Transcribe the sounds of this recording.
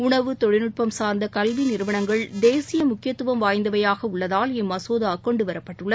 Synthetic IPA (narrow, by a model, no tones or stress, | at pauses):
ʊɳɐʋɯt̪ɔɻɪnɯʈ̚pɐmsaːɾnd̪ɐkɐlʋinɪɾɯʋɐɳɐŋɡɐɭd̪eːsɪjɐmʊkːɪjɐt̪ːɯʋɐmʋaːjnd̪ɐʋɐjaːɣɐʊɭːɐðaːlɛmːɐsoːðaːkɔɳɖɯʋɐɾɐpːɐʈːɯɭːɐ